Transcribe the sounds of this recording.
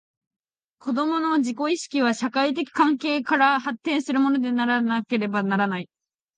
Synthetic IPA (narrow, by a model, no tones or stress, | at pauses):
ko̞d̪o̞mo̞no̞ʑiko̞iɕi̥kʲiβ̞aɕakait̪̬e̞kʲi̥kãŋke̞ːkaɾahat̪ːẽɰ̃sɨɾɯ̟mo̞no̞d̪e̞naɾanake̞ɾe̞banaɾanai